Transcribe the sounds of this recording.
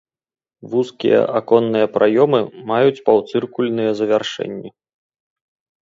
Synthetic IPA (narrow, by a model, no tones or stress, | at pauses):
vuskʲḭjɛ̰ʔakɔnːɨjɐpɾʔajɔmɨmajut͡sʲpawt̪sɨrkulʲnɨjɛzɐvʲarʂɛ̰nʲːɐ